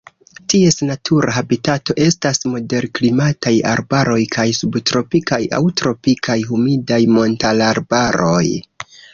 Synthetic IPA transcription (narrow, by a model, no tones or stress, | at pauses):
tie̞snatʰuɾaɦabitato̞ʔe̞stasmo̞de̞ɾklimataja̰ɾbaɾo̞jkʰajsubtɾo̞pikaja̰wtɾo̞pikʰajɦumidajmo̞ntalaɾbaɾo̞j